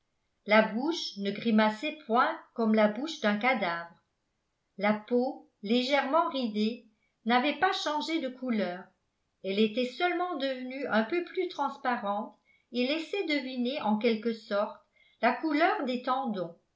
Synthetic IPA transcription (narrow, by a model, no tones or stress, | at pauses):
labuʃnəɡʁimasɛpwɛ̃kɔmlabuʃd̪ɛ̃kad̪avʁ | lapo | leʒɛʁmɑ̃ʁid̪e | navɛpaʃɑ̃ʒed̪əkʰulœːʁ | ɛlet̪ɛsœlmɑ̃d̪əvənyɛ̃pøplyt̪χɑ̃spaʁɑ̃t̪ | elɛsɛd̪əvineʔɑ̃kɛlkəsɔʁt̪ | lakulœːʁd̪et̪ɑ̃d̪ɔ̃